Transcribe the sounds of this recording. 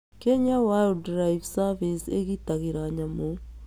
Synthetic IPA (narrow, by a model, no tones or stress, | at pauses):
keɲawaudɾaivsavisḛɣitaɣiɾaɲamo